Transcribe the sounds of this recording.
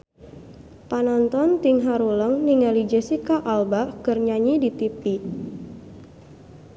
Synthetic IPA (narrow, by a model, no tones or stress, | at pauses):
panɔnt̪ɔnt̪iŋɦaɾuləŋniŋalid͡ʒɛsikaʔalbaʔkərɲaɲidit̪ipi